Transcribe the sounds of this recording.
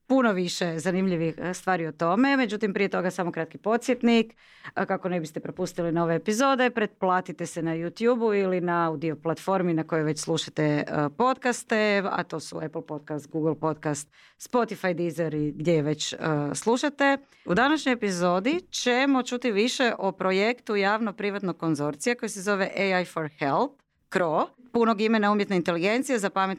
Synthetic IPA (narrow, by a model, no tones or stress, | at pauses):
punoʋiʃezanimʎiʋixst̪ʋaːɾiot̪o̞me̞me̞d͡ʑut̪impɾijet̪o̞ɡasaːmo̞kɾat̪kipo̞t̪sjet̪nik | kako̞nebist̪epɾo̞pust̪ilinoʋeːpizo̞ːd̪e̞pɾet̪̚plˠaːt̪it̪esenajut̪juːbuilinaaud̪io̞plat̪fo̞ɾminako̞jojʋe̞t͡ɕslˠuʃat̪epo̞t̪kast̪ea̰t̪o̞ːsṵɛplˠpo̞t̪̚kast̪ɡuɡlˠpo̞t̪kast̪ | spo̞t̪ifajd̪izeɾiɡd̪je̞jeʋe̞t͡ɕəslˠuʃat̪e̞ | ud̪anaʃɲojepizo̞d̪it͡ʃemo̞t͡ʃut̪iʋiʃe̞ʔopɾoje̞kt̪ujaːʋnopɾiʋat̪noɡ̚ko̞nzo̞ɾt̪sijeko̞jesezo̞ʋe̞ʔejajfoɾhelp | kɾoːpunoɡime̞naumjet̪neint̪e̞liɡe̞nt̪sijezapamet̪